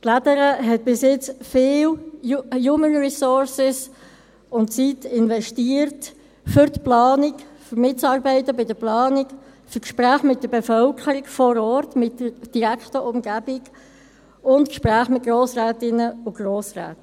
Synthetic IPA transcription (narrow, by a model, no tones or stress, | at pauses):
tlædəɾəɦɛt̚b̥ɪsjɪt͡sfɪːl | juːmənɹisɔɾsɪs | ʊnt͡sitɪnvɛʃtiəɾt | fʏɾtplɑːnɪkfʏɾmɪt͡sɑːɾbɛɪtːəbɪdəplɑːnɪk | fʏɾkʃpɾæːχmɪt̚d̥əbɛfœlkʰəɾikfɔɾɔːɾtmɪtːəɾd̥iɾækχtəʔʊmɡæbɪɡ | ʊntkʃpɾæːχmɪt̚ɡ̥ɾoːsɾɛːtɪnəʊɡ̥roːsrɛ̰ːt